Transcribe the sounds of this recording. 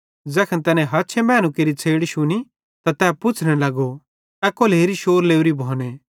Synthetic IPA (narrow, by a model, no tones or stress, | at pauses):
d͡zɛːkʰənt̪ɛːnɛ̃ɦɐt͡ʃʰemɛːñũkeɾit͡sʰeːɽiʃʊni | t̪at̪ɛːpʊt͡sʰnɛlɐɡo | ɛːkoleːɾiʃoːɾleːuɾibʱɔːne